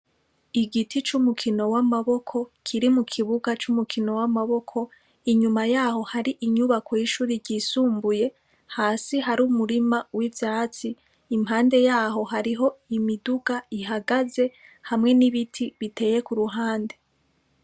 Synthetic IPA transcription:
iɡitʰit͡ʃumukʰino̞wamaβo̞kʰo̞kʰiɾimukʰiβuɡat͡ʃumukʰino̞wamaβo̞kʰo̞ | iɲumajaːho̞haɾiʔiɲuβakwiʃuːɾiɾɟisuːmbuje̞ | haːsiɦaɾumuɾimawivjaːt͡siː | mhɦaːnde̞jaːɦo̞ɦaɾiɦo̞imiduɡaiɦaɡaze̞ | hamŋe̞niβitʰiβite̞ːje̞kuɾuɦaːnde̞

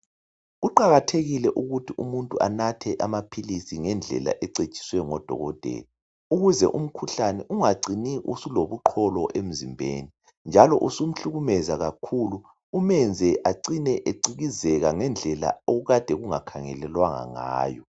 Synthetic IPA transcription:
ɣuǃaɣatʰeɣilɛʔuɣutʰiʔumuntʼuʔanatʰɛʔamapʰilisiŋɛnd͡ɮʱɛ̰la̰ʔɛǀed̥t͡ʃʼi̥swɛŋɔd̥ʱɔ̰ɣɔd̥ʱḛːli | uɣuzɛ̰ʔum̩kʰuɬanɛʔuŋaǀiniʔṵsuloβuǃʰɔlɔʔem̩zimbʱḛːni | nd͡ʒʱalɔʔusum̩ɬuɣumɛzaɣakʰuluː | mɛnd͡zʱɛʔaǀinɛʔeǀiɣizɛɣaŋɛnd͡ɮʱɛla̰oɣuɣad̥ʱɛɣuŋakʰaŋɛ̰lɛlwaŋa̰ŋa̰ːjɔ

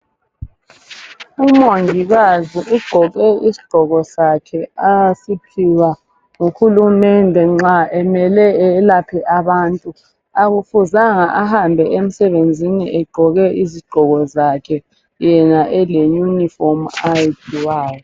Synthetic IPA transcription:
umoŋʱiɣaziʔuɡ͡ǃʱɔɣɛʔisi̥ɡ͡ǃ̥ʱɔɣɔsakʰɛasipʰiwa | ŋuxulumɛndʱɛŋ͡ǁaʔɛmɛlɛɛlapʰɛʔaβaːntʼu | aɣufuzaŋaʔahambʱɛʔem̩sɛβend͡zʱinḭʔɛɡ͡ǃʱɔɣɛʔiziɡ͡ǃ̥ʱɔɣɔzakʰɛ | jɛnaʔɛlejunifɔmajitʰiwaːjɔ

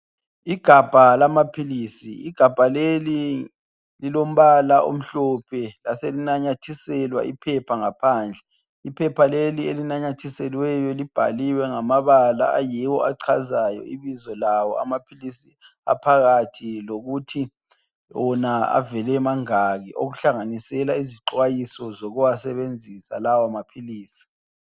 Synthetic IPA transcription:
iɡ̥ʱab̥ʱalamapʰiliːsiiɡ̥ʱab̥ʱaleli | lilom̩βalaʔo̰m̩ɬɔpʰɛlaselinaɲatʰisɛlwa̰ʔipʰɛpʰaŋapʰaːnd͡ɮʱɛ | ipʰɛpʰalelielinaɲatʰisɛlwɛjɔlib̥ʱa̰liwɛŋamaβala̰ʔajiwɔaǀʰazajɔ̰iβizɔlawɔa̰mapʰilisi | a̰pʰaɣatʰiloɣutʰi | wɔnaa̰vɛlɛmaŋaɣḭʔo̰ɣuɬaŋanisɛlaiziǃwajisɔzɔɣuwasɛβend͡zʱisa̰lawamapʰiliːsi̥

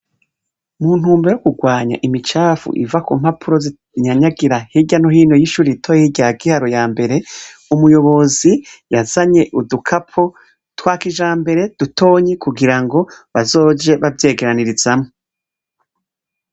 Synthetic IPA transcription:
muːn̥huːmbejokuɡwaːɲa̰ʔimit͡ʃaːfṵʔḭvakuːm̥hapʰuɾo̞zi | ɲaɲaɡiɾahiɟanoɦiːno̞jiʃuːɾitʰojehiɟaɡihaɾojaːmbe̞ɾe̞umujo̞βo̞zijazaɲe̞ʔudukʰapʰo̞ | twaːkiʒaːmbe̞ɾe̞d̥utʰo̞ːɲekuɡiɾaŋɡo̞βazo̞ːd͡ʒe̞βavje̞ːɡe̞ɾaniɾiz̥amo

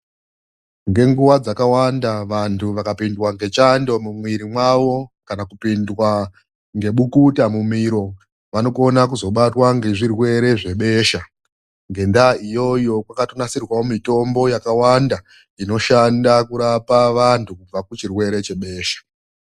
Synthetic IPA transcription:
ŋɡe̞ŋɡuwad͡zakawandaʋantʰuʋakapindwaŋɡe̞t͡ʃando̞mumwiɾimwaʋo̞kanakupindwa | ŋɡe̞ɓukutamumiɾo̞ | ʋano̞ko̞nak̬uzo̞ɓatwaŋɡe̞ʐirwe̞ɾe̞ʐe̞ɓe̞ːʃa | ŋɡe̞ndaijo̞jo̞kwakatonasirwawomito̞mbo̞jakawanda | ino̞ʃandakuɾapaʋantʰukub͡vakut͡ʃirwe̞ɾe̞t͡ʃe̞ɓe̞ːʃḁ

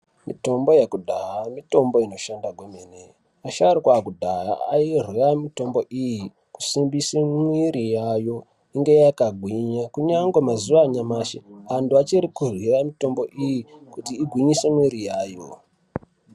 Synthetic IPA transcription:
mito̞mbo̞jekudʱaɦamito̞mbo̞ino̞ʃandaɡʱwemene | aʃaɾikwakudʱaɦa̰airwiamito̞mbo̞ʔiji | ku̥simbisemwiɾijajo̞ | iŋɡe̞jakaɡʱwiɲakuɲaŋɡwemazuʋaɲamaʃḛantuat͡ʃiɾikurwiramito̞mboʔijikutiːɡʱwiɲisemwiɾijaːjo̰

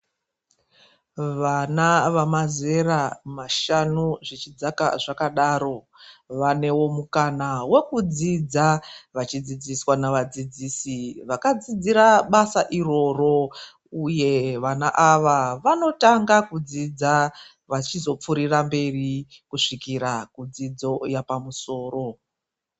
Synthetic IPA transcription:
ʋanaʋamaze̞ramaʃanuʐit͡ʃid͡zakaʐakaɗaɾo̞ | ʋane̞wo̞mukanawe̞kud͡zid͡zaʋat͡ʃid͡zid͡ziswanaʋad͡zid͡ziːsiʋakad͡zid͡ziɾaɓasaʔiro̞ro̞ | uje̞ʋanaʔaʋaʋano̞taŋɡakud͡zid͡za | ʋat͡ʃizo̞p͡fuɾirambe̞rikuʂikiɾakud͡zid͡zo̞japamuso̞ːro̞

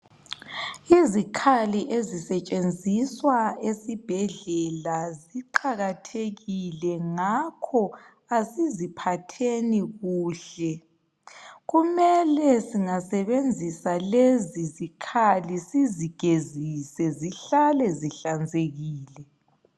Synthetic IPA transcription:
izikʰaliʔezisɛt͡ʃʼend͡zʱiswaesib̥ʱɛɮɛlaziǃaɣatʰeɣilɛŋakʰɔ | asizipʰatʰeniɣuːɬɛ | ɣumɛlɛsiŋasɛβend͡zʱisalezizikʰalisiziɡ̥ʱezisɛziɬalɛziɬand͡zʱeɣiːlɛ

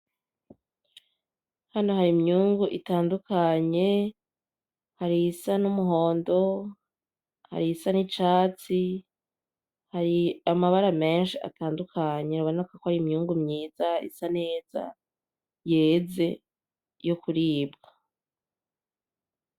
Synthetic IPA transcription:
hano̞ɦaɾimɲuːŋɡuʔitaːndukʰaɲe̞ | haɾiːsanumuɦo̞ːndo̞ | ha̰ɾisanit͡ʃaːt͡si | haɾiamaβaɾame̞ːnʃia̰taːndukʰaɲe̞ɾaβoneukakohaɾimɲuːŋɡumɲiːzaḭsane̞ːz̥a̰ | je̞ːze̞ | jokuɾiːbɡa

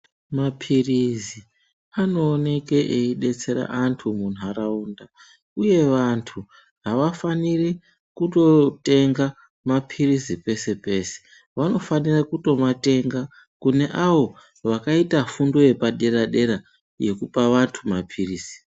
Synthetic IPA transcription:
mapʰirizi | ano̞ːne̞ke̞ʔeiɗe̞t͡se̞ɾa̰ʔantʰumun̤uaɾauːnda | uje̞ʋantʰu | ɦaʋafaniri | kuto̞te̞ŋɡa | mapʰirizipe̞se̞pe̞se̥ | ʋano̞fanirakuto̞mate̞ŋɡa | kune̞ʔaʋo̞ | ʋakaitafundo̞je̞paɗe̞ɾaɗe̞ɾa | je̞kupaʋantʰumapʰiriːz̥i̥

